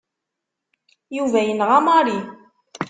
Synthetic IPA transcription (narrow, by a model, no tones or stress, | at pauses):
juvæjənʁɑmɑɾi